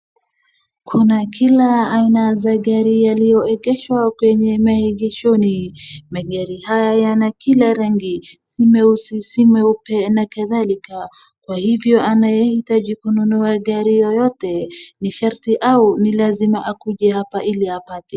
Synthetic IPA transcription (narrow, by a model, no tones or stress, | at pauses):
kʰunakʰilaːinazaɠaɾijalijɔɛɠɛʃwakwɛɲɛmahiɠɛʃɔnimaɠaɾihajajanakʰilaɾaŋɡisimɛusisimɛupɛnakaðalika | kwahivjɔʔanajɛhitaʄikununuaɠaɾijɔjɔtɛniʃaɾtiʔaunilazimaʔakuʄɛhapaʔiliapatɛ